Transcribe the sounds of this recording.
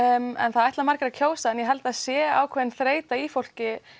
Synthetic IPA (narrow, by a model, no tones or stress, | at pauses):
mɛ̰nθaðɛjht̪lamaɾcɪɾaðcʰoːwsaɛnjɛɦɛlt̪aðsjɛːa̰ːwkʰvɛðɪnθɾeːjt̪aifowl̥cɪ